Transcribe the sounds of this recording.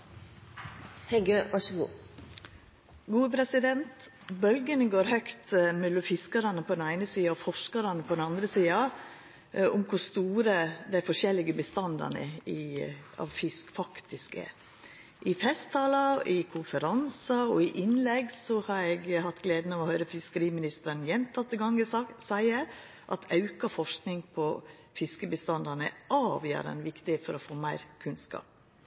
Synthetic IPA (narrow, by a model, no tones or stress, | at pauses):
hɛɪɡøːʋɑʂəɡṵː | ɡuːəpʰɾɛsɪd̪ɛnt̪ | bœlɡənəɡoːɾhœkt̪mɛlʊfɪskɑɾɑnəpʰɔd̪ɛnæɪnəsiːɑɔfɔʂkɑɾɑnəpʰɔd̪ɛnɑnd̪ɾəsiːɑ | ʊmkʰʊst̪uːɾəd̪æɪfɔʂɛlːɪɡəbəst̪ɑnd̪ɑ̰nə̰ɪɑ̰ʋfɪskfɑkt̪ɪskɛ̰ɾ | ʔɪfɛst̪ʰːɑːlɑɪkʰʊnfəɾɑnsɑɔɪʔɪnlɛɡsɔhɑɾɛɡhɑt̪ːɡleːd̪nɑʋɔhœʏɾəfɪskəɾiːmɪnɪst̪əɾənjɛnt̪ʰɑt̪ːəɡɑŋəsæɪə | ʔɑt̪ʰɑʉkɑfɔʂknɪŋpʰɔ | fɪskəbəst̪ɑnd̪ɑnə̰ʔɑːʋjø̰ːɾə̰nʋɪkt̪ɪeːt̪fɔɾɔfoːmæɪɾkʰʉnskɑ̰ːp̚